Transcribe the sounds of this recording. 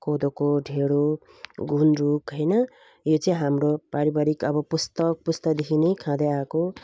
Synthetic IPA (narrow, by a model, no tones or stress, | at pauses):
kod̪okoɖʱeɽo | ɡʱunrukɦʌjnʌ | jot͡sʌĩɦamropaɾibaɾikʌbʌpust̪ʌk̚pust̪ʌd̪ekʰinʌjkʰãd̪eako